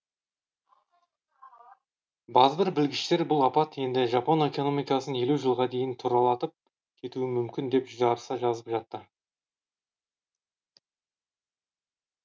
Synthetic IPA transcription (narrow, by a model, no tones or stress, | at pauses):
bɑzəbɪɾbɪlɡʲɪʃt̪e̞ɾbʊlˠɑpɑt̪je̞nd̪ɪʒɑpone̞ko̞no̞mijkɑsəne̞luʒəlˠʁɑd̪e̞jɪnt̪ʰuɾɑlˠɑt̪əp̚ | kʲʰe̞t̪uɪmʏmkʲɪnd̪e̞pʒʏzɑɾəsɑʒɑzəpʒɑt̪ːə